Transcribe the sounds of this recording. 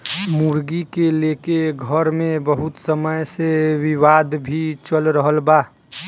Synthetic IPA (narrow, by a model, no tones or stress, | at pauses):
muɾɡikeleːkeɡʱəɾmẽbəɦʊt̪səməjsewɪwaːd̪bʱit͡ʃəlɾəɦəlbaː